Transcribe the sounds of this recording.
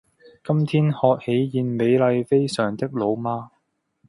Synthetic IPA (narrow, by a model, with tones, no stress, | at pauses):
kɐ˥mt̪ʰiː˥nhɔː˧k̚he˨˥jjiː˨˧nme˨˧jlɐ˨˧jfe˥jsœː˨˩ŋt̪ɪ˥k̚lo˨˧wmaː˥